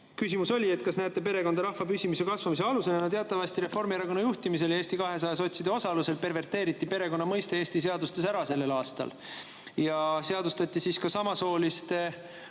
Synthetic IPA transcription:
kysʲimuso̞lʲie̞t̪̚kɑsnæjt̪ːˑepe̞ɾe̞kod̪̥ɑɾɑhvɑpysʲimise̞kɑsvɑmis̬e̞ɑluse̞nenɑt̪eɑt̪ːˑɑvɑst̪iɾe̞fo̞rmieɾɑko̞nːɑjuht̪imise̞ljeːst̪ikɑɦe̞sɑjeso̞t̪ʲsid̪̥eo̞sɑluse̞lpe̞rve̞rt̪ːˑeːɾit̪ːˑipe̞ɾe̞ko̞nːɑmɤjst̪e̞eːst̪ise̞ɑd̪ust̪e̞s̬æɾɑse̞lːe̞lɑːst̪ɑ̰l | jɑse̞ɑd̪ust̪ɑt̪ʲˑːisiskɑsɑmɑso̞ːlist̪e

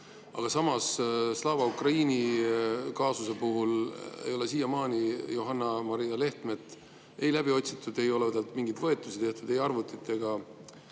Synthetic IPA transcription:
ɑ̰ɡ̥ɑsɑmɑsslɑːvɑukrɑiːni | kɑːsuse̞puɦulḛjo̞le̞siːjɑmɑːnijoɦɑnːɑmɑɾijɑle̞ht̪me̞t̪ːˑ | e̞jlæb̥io̞t̪ʲsit̪ːud̪e̞jo̞led̪elt̪miŋɡid̪vɤ̞e̞t̪ˑːusit̪e̞ht̪ud̪̥e̞jɑrvut̪ːit̪ːˑe̞ɡ̥ɑ

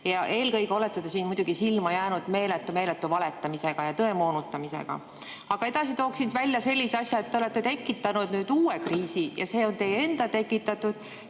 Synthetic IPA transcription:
jɑʔe̞ːlkɤjɡeo̞le̞t̪ːˑet̪esiːnmujd̪uɡ̥isilmɑjæːnud̪̥me̞ːlet̪ːˑume̞ːlet̪ːˑuvɑle̞t̪ˑːɑmise̞ɡ̥ɑjɑt̪ɤe̞mo̞ːnut̪ˑːɑmise̞̰ɡ̥ɑ̰ | ɑɡ̥ɑe̞d̪̥ɑsit̪o̞ːksint̪vælʲjɑse̞lʲːiseɑsʲjɑe̞t̪ːeole̞t̪ˑːe̞t̪e̞kːˑit̪ːˑɑnud̪̥nyːd̪̥uːwekriːsijɑ̰se̞ːo̞nt̪e̞jee̞nd̪ɑt̪e̞kːˑit̪ːˑɑt̪ːˑud̪̥

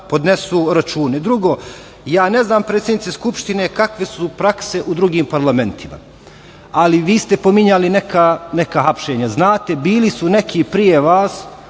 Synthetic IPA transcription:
po̞d̪nesuːɾat͡ʃuːned̪ɾuɡo̞ː | jaːne̞znaːmpɾet̪sʲjenit̪eskupʃt̪inekakʋe̞supɾakse̞ʔud̪ɾuɡiːmpaɾlˠame̞nt̪ʰima̰ | aliʋiːst̪e̞pomiɲalinekane̞kaɦapʃe̞ːɲaznaːt̪e̞biːlisune̞kʰipɾije̞ʋaːs

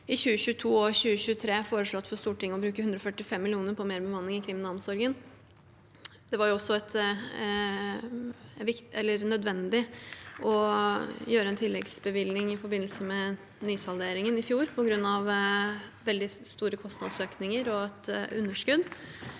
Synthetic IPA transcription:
ɪɕʉːəɕʉːət̪ʰuːɔɕʉːəɕʉːt̪ʰɾeːfoːɾəʂɭɔt̪ːfɔɾst̪uːʈɪŋːəɔbɾʉːkəhʉnd̪ɾɔfœʈːɪfɛmːɪlɪuːnəɾpʰɔmeːɾbəmɑnːɪŋɪkʰɾɪmɪnɑlmsɔɾɡən | d̪̥ɛʋɑɾjʊɔsːɔɛt̪ | ʋɪkɛlːəɾnœd̪ʋɛnd̪ɪʔɔ | jøːɾəɛnt̪ʰɪlːɛɡsbəʋɪlnɪŋɪfɔɾbɪnːəlsəmɛ | nyːshɑld̪eːɾɪŋənɪfjuːɾpʰɔɡɾʉnːɑʋ | ʋɛld̪ɪst̪uːɾəkʰɔst̪nɑ̰d̪søːknɪŋəɾɔɛt̪ʉnːəʂkʉd̪

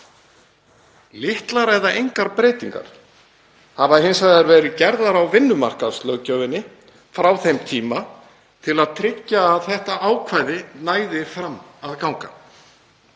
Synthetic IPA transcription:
lɪht̪laɾɛðaʔejŋkaɾpɾeːjt̪iŋka̰ɾ̥ | havaɦɪnsaðaɾvɛːɾɪcɛɾðaɾawvɪnːʏmar̥kaðst̪lœcœːvɪnːɪ | fɾawθejmt̪ʰiːma | t̪ʰɪlaðt̪ʰɾɪcːaːðθɛht̪aaːwkʰvaːjðɪnaːjðɪfɾamːaðkawŋka̰

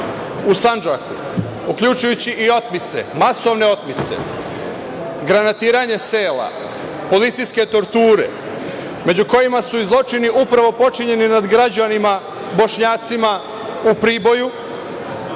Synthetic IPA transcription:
usand͡ʒaku | ukʎʲut͡ʃujut͡ɕiʔio̞t̪mit̪se̞̰maso̞ʋne̞o̞t̪mit̪se̞̰ | ɡɾanat̪iːɾaɲe̞seːla̰ | po̞lit̪sijske̞t̪o̞ɾt̪uːɾe̞̰ | me̞d͡ʑuko̞jimasuizlˠo̞t͡ʃiniʔupɾaʋo̞po̞t͡ʃiɲe̞ninad̪ɡɾad͡ʑanima | bo̞ʃɲaːt̪sima | upɾiːbo̞ju

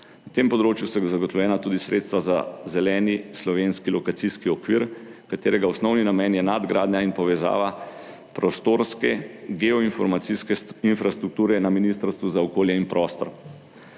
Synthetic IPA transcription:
nat̪eːmpɔd̪ɾoːt͡ʃjusɛzaɡɔt̪ɔwljɛːnat̪uːd̪isɾet̪st̪ʋaza̰zɛlɛːnislɔʋenskilɔkat̪siskiɔkʋiːɾkat̪eːɾɛɡaɔsnɔwninamɛːnjɛnad̪ɡɾaːd̪ɲainpɔʋɛza̰ːʋa | pɾɔst̪oːɾskɛɡɛɔinfɔɾmaiskɛinfɾast̪ɾuk̚t̪uːɾɛnaminiːst̪əɾst̪ʋuzaɔkoːljɛinpɾɔːst̪ɔ̰ɾ

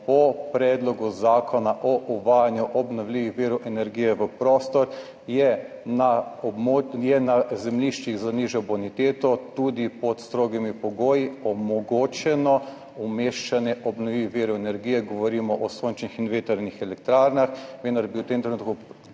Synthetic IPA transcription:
pɔpɾɛd̪lɔɡuzaːkʰɔnaʔɔʔuʋajanjuʔɔbnɔwliʋixʋiːɾuʔɛnɛɾɡijɛʋəpɾoːst̪ɔɾ | jɛnamojɛnazɛmliʃt͡ʃiɣzaniʒɔbɔnit̪eːt̪ɔt̪ud̪ipɔt̪st̪ɾoːɡimipɔɡoːjiɔmɔɡoːt͡ʃɛnɔ | umeːʃt͡ʃanjɛʔɔbnɔʋiʋiʋiɾoɛnɛɾɡiːjɛɡɔʋɔɾiːmɔʔɔsont͡ʃnixinʋet̪əɾnixɛlɛkt̪ɾaːɾnaxʋend̪aɾbiwt̪eːmt̪ɾenuːt̪̚ku

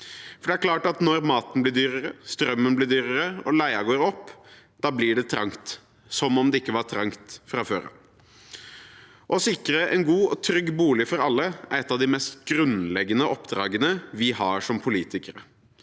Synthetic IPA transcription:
fɔɖɛæɾkʰlɑːʈɑt̪nɔɾmɑːt̪n̩blɪːd̪yːɾəɾəst̪ɾœmːənblɪd̪yːɾəɾəɔlæɪɑɡoːɾɔpː | d̪̥ɑːblɪɖɛt̪ʰɾɑ̰ŋt̪ | sɔmɔmd̪ɛɪkːəʋɑɾʈ̪ʰɾɑŋkt̪fɾɑføːɾɑ̰ | ʔɔsɪkɾəʔɛnɡuːɔt̪ʰɾʏɡːbuːlɪfɔɾɑlːəæɾɛt̪ːɑʋd̪ɪmɛst̪ɡɾʉnlɛɡːənəʔɔpːd̪ɾɑːɡənəʋɪhɑːɾʂɔmpʰʊliːt̪ɪkəɾə

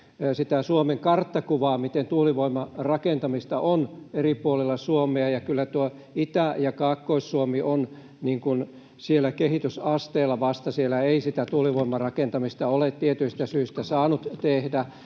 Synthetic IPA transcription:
sit̪æsuomeŋkɑrt̪ːɑkuʋɑːmit̪ent̪uliʋoimɑrɑkent̪ɑmist̪ɑʔoneripuolelːɑsuomeɑjɑkylːæt̪uo | it̪æjɑkɑːkːoisːuomiʔon | niːŋkun | sielːˑækehit̪ysɑst̪eːlːˑɑʋɑst̪ɑsielːˑæeisit̪æt̪uliʋoimːɑrɑkent̪ɑmist̪ɑolet̪t̪iet̪yist̪æsyːst̪æsɑːnut̪t̪ehdæ

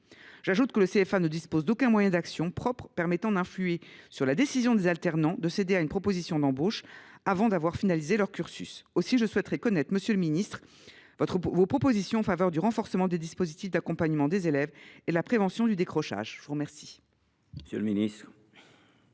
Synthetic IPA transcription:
ʒ̥aʒut̪kələseɛfanəd̪ispozd̪okɛ̃mwajɛ̃d̪aksjɔ̃pχɔpχpɛʁmɛt̪ɑ̃d̪ɛ̃flyesyʁlad̪esizjɔ̃d̪ezalt̪ɛʁnɑ̃d̪əsed̪eaynpχɔpozisjɔ̃d̪ɑ̃boʃavɑ̃d̪avwaʁfinalizelœʁkʲyʁsysosiʒəswɛt̪χɛkɔnɛt̪χəməsjøləminist̪χ | vɔt̪χvopχɔpozisjɔ̃ɑ̃favœʁd̪yʁɑ̃fɔʁsəmɑ̃d̪ed̪ispozit̪ifd̪akɔ̃paɲmɑ̃d̪ezelɛvelapχevɑ̃sjɔ̃d̪yd̪ekχɔʃa̰ʒəvuʁəmɛʁsi̥ | əsjø̰lminist̪χ

